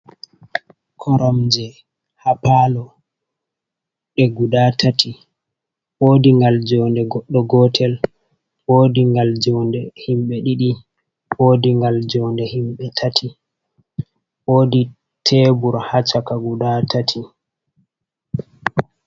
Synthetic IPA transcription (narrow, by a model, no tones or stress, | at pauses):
kʰɔɾamd͡ʒɛ | hapalɔ | ɗɛɡudatʰatʰi | woːdiŋɡald͡ʒɔndɛɡɔɗːɔɡɔtʰɛl | woːdiŋɡald͡ʒɔndɛhimɓɛɗiɗi | woːdiŋɡald͡ʒɔndɛhimɓɛtʰatʰi | woːdi | tʰɛbuɾhat͡ʃakaɡuɗatatʰi